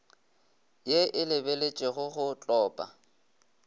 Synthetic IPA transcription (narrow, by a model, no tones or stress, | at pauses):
jeʔɪlɪbelet͡ʃʼɪɣʊχʊt͡ɬʼɔːpʼa̰